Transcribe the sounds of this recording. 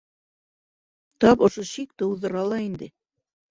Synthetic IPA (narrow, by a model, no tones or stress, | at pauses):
t̪ɑpŏʃoɕik̚t̪ɤ̆uðɤ̆ɾɑlˠɑind̪ɘ